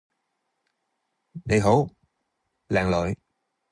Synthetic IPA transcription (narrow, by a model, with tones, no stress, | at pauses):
ɗḛ˨˦jɦo˨˥˦w | la̰ː˨˩ŋlo̰ː˨˦j